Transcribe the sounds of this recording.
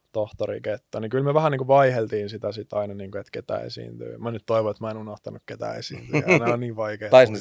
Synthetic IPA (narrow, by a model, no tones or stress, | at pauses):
t̪oht̪oɾḭket̪ːonikylmyøʋæhæniːkuʋɑihelt̪iːnsit̪æsit̪ɑinɑniːŋket̪ket̪æ̰ːḛsḭnt̪y̰ːmænyt̪toiʋoet̪mæenunoht̪ɑnukket̪æ̰ːesḭːnt̪ynonniːʋʋɑikeːt̪ɑisne